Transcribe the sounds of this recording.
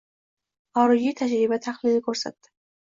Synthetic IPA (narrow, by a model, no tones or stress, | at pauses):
ɒɾʊjit̪ʰad͡ʒɾɪbat̪ʰaχlɪnɪkʰɵɾsa̰t̪ːɪ̥